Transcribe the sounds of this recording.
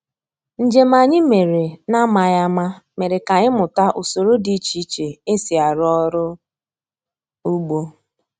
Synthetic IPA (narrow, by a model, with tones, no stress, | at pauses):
n̩˨d͡ʒe˨ma˨ɲɪ˦me˨ɾe˨na˦ma˨ja˦ma˦me˨ɾe˨ka˨ɲɪ˦mʊ˨ta˦ʔo˨so˨ɾo˦di˨˦t͡ʃi˦t͡ʃe˨e˦si˨a˨ɾɔ˦ɾʊ˦ | u˦ɡ͡bo˦